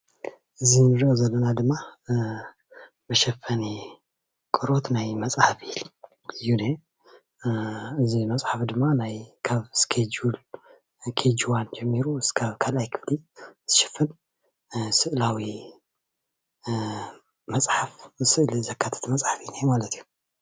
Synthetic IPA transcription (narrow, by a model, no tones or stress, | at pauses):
ʔɨzinɨɾiʔozɐlːɐnad̪ɨmːa | bɐʃɐfɐni | kʼɨɾo̞t̪najmɐt͡sʼħafil | ɨjune | ɨzimɐt͡sʼħafd̪ɨmːanajkʰaβskʰed͡ʒul | kʰed͡ʒuwand͡ʒɛmːiɾuskʰaβkʰalʔajkʰɨfliz̥ɨʃɪ̥fɨn | sɨʔlawi | mɐt͡sʼħafsɨʔlizɐkʰːat̪ʰɐ̥t̪mɐt͡sʼħafinajmalɐt̪ʰiju